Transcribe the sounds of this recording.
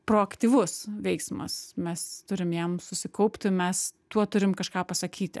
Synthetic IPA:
pɾoːɐkt̪ʲiːʋʊsʋʲɛɪksmɐ̰smʲɛst̪ʊɾʲɪmjɛmsʊsʲɪkɐʊpʲt̪ʲɪmʲɛst̪uɔt̪ʊɾʲɪmkɐʃkɑːpɐsɐkʲiːt̪ʲɪ̰

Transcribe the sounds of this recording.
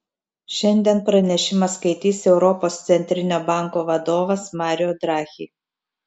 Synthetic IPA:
ʃʲɛnʲd̪ʲiɛnpɾɐnʲɛʃʲɪmɐskɐɪt̪ʲiːsʲɛʊɾɔpoːst̪sʲɛnʲt̪ʲɾʲɪnʲoːbɑˑŋkoːʋɐd̪oːʋɐsmɑːɾʲɪjoːd̪ɾɑːxʲḭː

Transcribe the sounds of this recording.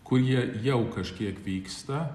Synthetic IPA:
kʰʊɾiɛjɛwkʰɐʃkʲiɛkʋʲiːkst̪ɐ

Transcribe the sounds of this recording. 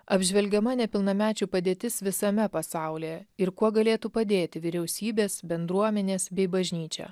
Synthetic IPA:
ɐbʲʒʲʋʲɛlʲɡʲɛmɐnʲɛpʲɪlˠnɐmʲæːt͡ʃʲuːpɐd̪ʲeːt̪ʲɪsʋʲɪsɐmʲɛpɐsɑˑʊlʲeːjɛɪɾkuɔɡɐlʲeːt̪upɐd̪ʲeːt̪ʲɪʋʲɪɾʲɛʊsʲiːbʲeːsbʲɛnd̪ɾuɔmʲɛnʲeːsbʲɛɪbɐʒʲnʲiːt͡ʃʲɛ̰

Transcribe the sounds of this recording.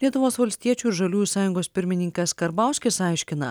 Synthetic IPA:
lʲiɛt̪ʊʋoːsʋɐlʲsʲt̪ʲiɛt͡ʃʲuːɪɾʒɐlʲuːjuːsɑːjʊŋɡoːspʲɪɾʲmʲɪnʲɪŋʲkʲɛskɐɾbɑˑʊsʲkʲɪsɑˑɪʃʲkʲɪnɐ̰

